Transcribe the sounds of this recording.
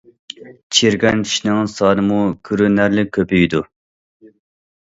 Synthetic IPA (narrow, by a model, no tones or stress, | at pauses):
t͡ʃʰiɾɡʲɛnkʲʰi̥ʃnɨŋsɑːnɨmukʲʰyɾynæɾlɪkʲʰøpyjd̪u